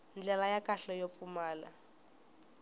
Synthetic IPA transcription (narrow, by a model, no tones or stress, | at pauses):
nd͡ɮɛlajakʼaɬɔjop̪fumaːla̰